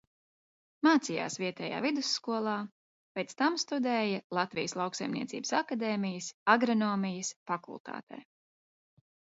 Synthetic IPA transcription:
maːt̪sija̰ːsviɛt̪ɛːja̰ːvid̪usːkuɔlˠɑː | pʲɛt̪st̪amst̪ud̪ɛːjɐlˠat̪vijəslˠɑwksajmnʲiɛt̪sḭːbə̥sakad̪eːmijəsaɡɾɔnɔːmijɐsfakṵlˠt̪ʰa̰ːt̪ɛ̰ː

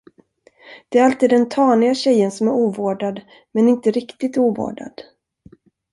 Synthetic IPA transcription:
d̪̥ɛæɾalt̪iːd̪ːɛnt̪ʰɑːnɪɡaɕɛjːənsɔmæɾuːvoːɖad̪ | mɛnɪnt̪əɾɪkt̪ɪt̪uːvo̰ːɖa̰d̪̥

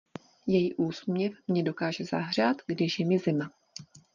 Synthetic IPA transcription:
jɛjiːʔuːsmɲɛfmɲɛdo̞kaːʒɛza̰ɦr̝aːt̪ɡdɪʃjɛmɪzɪma

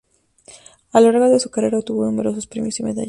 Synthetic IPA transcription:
alaɾɣaðesu̥kareɾaot̪uβo̞nume̞ɾo̞s̬ospɾimosimeða̰

